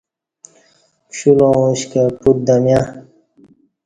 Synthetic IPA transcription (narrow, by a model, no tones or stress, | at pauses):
kɕulõũɕkepuɾ̚d̪ɐmja